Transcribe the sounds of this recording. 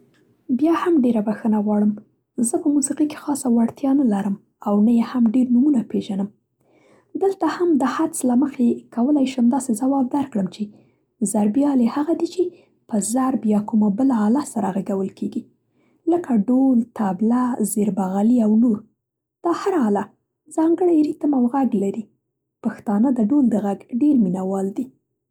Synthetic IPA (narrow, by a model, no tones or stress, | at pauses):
bjɑhamɖeɾabaxənaɣwɑɽəm | zəpəmusiqike̥xɑsawaɽt̪jɑnəlaɾəm | awnəjehamɖeɾnumunapeʒanəm | d̪əlt̪ahamd̪əhat͡slaməxekawəlajʃəmd̪ɑsezawɑb̚d̪aɾkɽəmt͡ʃe | zaɾbijɑlehaɣad̪it͡ʃe | pəzaɾbjɑkumabəlaɑlasaɾaɣaɡawəlkʰeɡi | ləkaɖolt̪ablazeɾbaɣaliawnoɾ | d̪̥ɑhaɾaɑla | zɑŋɡəɽajɾit̪əmawɣaɡlaɾi | paxt̪ɑnəd̪əɖold̪əɣaɡɖeɾminawɑld̪i